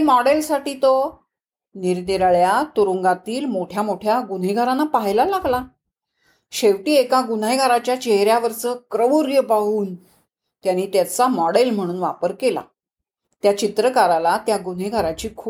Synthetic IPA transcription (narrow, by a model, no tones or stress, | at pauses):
mɔɽelsaʈiːt̪o | niɾd̪iɾɭjat̪uɾuŋɡat̪iːlmoʈʰjamoʈʰjaɡun̤jɡʱaɾanːapaɦjlalaɡla | ɕeʋʈiːekaɡun̤ajɡʱaɾat͡ɕjat͡ɕeɦɾjaʋəɾt͡səːkɾəʋuɾjəpaɦuːn | t̪janːiːt̪jat͡samɔɽelm̤əɽ̃uːnʋapəɾkela̰ | t̪jat͡ɕit̪ɾəkaɾalat̪jaɡun̤eɡʱaɾat͡ɕiːkʰuː